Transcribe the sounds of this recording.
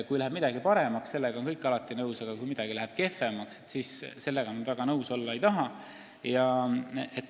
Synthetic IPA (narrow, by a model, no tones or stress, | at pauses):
kujlæɦeb̥̚mid̪̥ɑɡipɑɾe̞mɑksse̞lːeɡɑonkɤjkːˑɑlɑt̪ˑːinɤwsɑɡ̥ɑkujmid̪̥ɑɡ̥ilæɦeb̥̚ke̞femɑkset̪sisse̞lːe̞ɡɑnːyd̪væɡ̥ɑnɤwso̞lːɑe̞jt̪ɑɦɑ | jɑ | et̪ː